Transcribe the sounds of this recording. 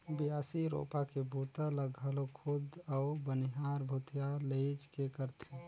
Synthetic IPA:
biasiɾo̰pakebʱut̪aləɡʱalokʰud̪aubəniɦaɾbʱut̪jaleɪd͡ʒkekəɾt̪ʰe

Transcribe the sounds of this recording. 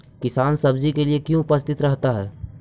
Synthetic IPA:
kɪsaːnsɐbd͡ʒikeliekjõʊpəst̪ʰɪt̪ɾɐɦt̪aɦɛː

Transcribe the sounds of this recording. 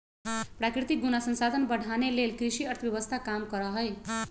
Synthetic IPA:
pɾakɾit̪ik̚ɡunasə̃nsad̪ʱənbəɽʱanelelkɾisiʌɾt̪ʰbjəβəst̪ʰakamkʌɾəɦəj

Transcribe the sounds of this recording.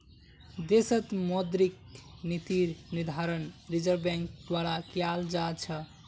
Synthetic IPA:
d̪esət̪mod̪ɾik̚nit̪iɾnid̪ʱaɾənɾid͡ʒəɾbɛ̃ŋk̚d̪waɾakjald͡ʒat͡ʃʰə

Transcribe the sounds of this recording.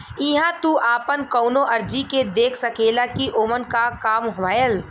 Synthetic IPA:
iɦãt̪uʔaːpənkɔʊnoʔəɾd͡ʒiked̪eːkʰsəkelakiʔoːmənkakaːmɦoʋaːjəl

